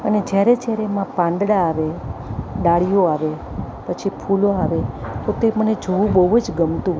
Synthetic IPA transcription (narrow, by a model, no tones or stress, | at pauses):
əned͡ʒjaɾed͡ʒjaɾemãpãnd̪ɽaːʋe | ɖaɭijoaʋe | pət͡ʃʰipʰuloaʋet̪ot̪eməned͡ʒʱəʋũbəuəd͡ʒɡəmt̪ũ